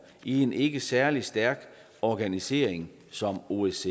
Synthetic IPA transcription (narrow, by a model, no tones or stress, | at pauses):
ie̝ne̝ɡ̥əsæɐlisd̥æɐɡ̥ | ɒɡ̥ænise̝̰ːɐ̰eŋ | sɒ̽moes